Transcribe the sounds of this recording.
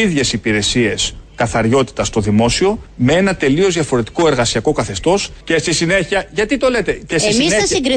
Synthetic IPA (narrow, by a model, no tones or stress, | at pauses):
iðʝe̞sipiɾe̞sie̞skɐθɐɾʝo̞t̪i̥t̪ɐst̪o̞ðimo̞sio̞me̞e̞nɐt̪e̞lio̞zðʝɐfo̞ɾe̞t̪i̥ko̞eɾɣɐsiɐko̞kɐθe̞st̪o̞sce̞st̪isine̞çiɐʝɐt̪it̪o̞le̞t̪e̞cesisisɐsiɡɾi